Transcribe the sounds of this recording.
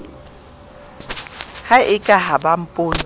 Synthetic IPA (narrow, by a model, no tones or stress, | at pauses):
haʔɪkʼaɦabam̩pʼoːn